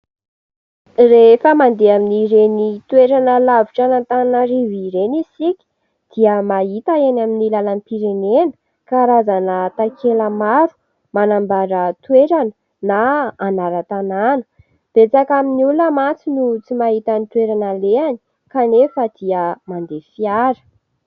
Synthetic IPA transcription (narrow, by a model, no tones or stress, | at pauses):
refəmand̪eaminiɾenit̪uweɾanəlaviʈ͡ʂanant̪annariviɾenisikʲi̥ | d̪̥iəmaɦit̪aenaminilalanipiɾenenə̥ | kaɾazanət̪akʰeləmaɾu̥ | manambaɾət̪weɾanə | naːnaɾət̪ananə̥ | b̥et͡sakaminuləmat͡sinut͡simaɦit̪anit̪weɾanaleani̥ | kanefəd̪̥iəmand̪efiaɾə̥